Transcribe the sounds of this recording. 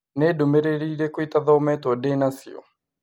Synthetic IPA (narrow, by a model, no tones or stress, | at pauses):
nɛdumɛɾeɾiɾekuit̪aðɔmɛtɔdɛnasiɔ̰